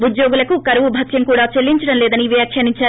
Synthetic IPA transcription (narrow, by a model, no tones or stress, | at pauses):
ud̪joːɡulɐkukɐɾɐʋubʱɐt̪jɐŋkuːɽaːt͡ʃelːiɲt͡ʃɐɽɐmlɛːd̪ɐniʋijaːkʰjɐniɲt͡ʃːaːɾu